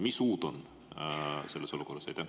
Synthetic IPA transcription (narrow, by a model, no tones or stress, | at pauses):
misuːt̪on | selːeso̞luko̞rːɑsḛt̪æ